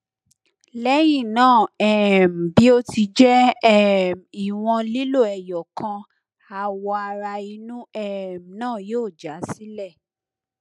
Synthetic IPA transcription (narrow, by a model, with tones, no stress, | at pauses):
lɛ˦j̃ĩ˦˨nãː˦˨ɛ˨m̩˨bi˨˦o˦ti˧d͡ʒɛ˦˨ | mi˨w̃ɔ̃˧li˦lo˦˨ɛ˨jɔ˨kã˧ | a˧wɔ˧a˧ɾa˧i˧nũ˦ɛ˦˨m˨nãː˦˨joː˦˨d͡ʒa˨˦si˦lɛ˦˨